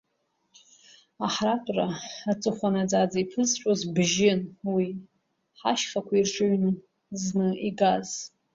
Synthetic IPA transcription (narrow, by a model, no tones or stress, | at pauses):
aħratʷʼraːt͡sʼɨχʷanad͡zad͡zaipʰɨzʈ͡ʂʷʼozbʒɪnwi | ħaʃχakʷʰairʈ͡ʂʰʼɨɥnɨ | znɨiɡaz